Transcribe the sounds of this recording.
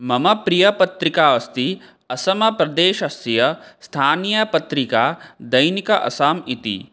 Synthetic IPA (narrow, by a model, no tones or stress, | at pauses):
mɐmɐpɾijɐpɐt̪ɾikaːʋɐst̪i | ɐsɐmɐpɾɐd̪eːʃɐsjɐst̪ʰaːnijɐpɐt̪ɾikaːd̪ɐjnikɐʔɐ̰saːmit̪ḭ